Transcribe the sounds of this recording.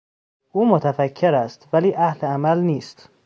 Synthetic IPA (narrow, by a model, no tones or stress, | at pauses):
ʔuːmot̪ʰæfækʰːeɾæst̪væliːʔæhleæmælniːst̪